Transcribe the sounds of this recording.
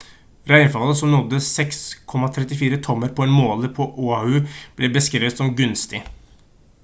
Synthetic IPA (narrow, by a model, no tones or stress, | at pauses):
ɾæɪnfɑləsɔmnɔd̪ːəsɛkskʰɔmɑt̪ʰɾɛt̪ɪfiːɾət̪ʰɔmːəɾpʰɔɛːnmoːləpʰɔʔuːɑhʉb̥lɛbəskɾeːʋət̪sɔmɡʉnst̪ɪ